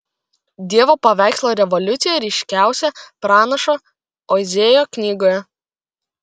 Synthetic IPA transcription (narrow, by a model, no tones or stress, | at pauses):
d̪ʲiɛʋopɐʋʲæˑɪkslˠoːɾʲɛʋɔlʲʊt̪sʲɪjɛɾʲɛɪʃʲkʲæˑʊsʲɛpɾɑːnɐʃo | ozʲeːjoːknʲiːɡoːjɛ